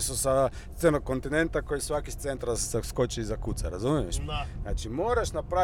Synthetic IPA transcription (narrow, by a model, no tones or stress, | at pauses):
susa | t̪senokont̪inent̪akojisʋakist̪sent̪ɾasaskot͡ʃizakut̪saɾazumiɛʃnat͡ʃimoːɾaʃnapɾa